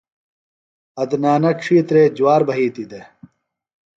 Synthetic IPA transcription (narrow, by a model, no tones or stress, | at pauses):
ɐd̪naːnɐkʂʰiːt̪ɾeːd͡ʑuwaːɾbɐɦiːt̪id̪e